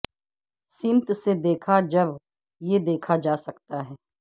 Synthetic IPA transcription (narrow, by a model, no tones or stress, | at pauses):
sɪnt̪sed̪eːkʰad͡ʒəb | jed̪eːkʰad͡ʒaːsəkt̪aɦɛː